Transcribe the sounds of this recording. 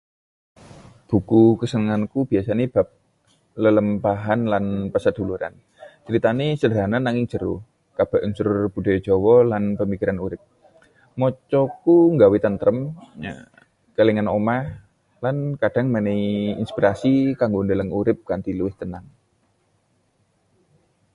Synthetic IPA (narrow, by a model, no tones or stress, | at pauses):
b̥ṳkukəsənəŋankub̥iasaneb̥a̤p̚ | lələmpaɦanlanpəsəd̪̥ṳluɾa̰n | t͡ʃəɾit̪anesədɾananaŋɪŋd͡ʒ̥ə̤ɾu | kab̥aʔunsʊɾrb̥ṳd̥ɔ̤j̥d͡ʒ̥ɔwɔlanpəmikiɾanuɾɪp̚ | mɔt͡ʃɔkuŋɡawet̪ənt̪ɾəm | keleŋanomah | lankad̥a̤ŋməneiḭnspiɾasikaŋɡondələŋuɾɪp̚kant̪iluwɪht̪ənaŋ